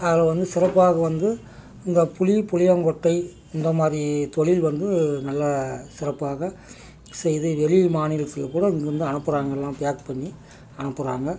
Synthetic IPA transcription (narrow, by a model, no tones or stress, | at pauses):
ɐðɪlɐʋɐnd̪ɯsɪɾɐpːaːɣɐʋɐnd̪ɯ | ɪnd̪ɐpʊɻipʊɻɪjɐŋɡɔʈːɐɪ | ɪnd̪ɐmaːɾit̪ɔɻɪlʋɐnd̪ɯnɐlːɐsɪɾɐpːaːɣɐ | sɛjɪðɯʋɛɭɪmaːnɪlɐt̪ːɯlːɐkːuːɽɐɪŋɡɯɐnd̪ɯɐɳɯpːɯɾaːŋɡɐɛlːãːpɪjaːkpɐɳːi | ɐɳɯpːɯɾaːŋɡɐ